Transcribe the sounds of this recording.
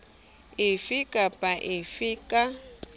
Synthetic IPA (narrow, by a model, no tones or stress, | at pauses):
ɪfikʼapʼaʔɪfikʼa